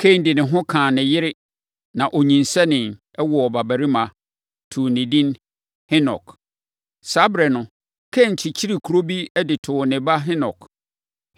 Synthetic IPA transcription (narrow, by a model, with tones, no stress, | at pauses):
kʰe˦˨n˦dɪ˨nɪ̃˨ɦʊ̃˦kʰãː˨nɪ̃˨jɪ˦ɾɪ˦ | nã˨ʔɔ˨ɲĩ˨nsɛ˦nɪ̃˨n | ɛ˦wɔ˨ɔ˨ba˨bæ˨ɾi˦mã˨ | tʰu˨nɪ̃˨dĩ˦n | hɪ˦nɔ˨k | sa˦bɾɛ˨nʊ̃˨ | kʰe˦˨ɲ̩˨t͡ɕʰɪ˨t͡ɕʰi˦ɾi˨kʰu˨ɾo˦bi˦ɛ˦dɪ˨tʰʊ˨nɪ̃˨ba˦ɦɪ˦nɔ̰˨k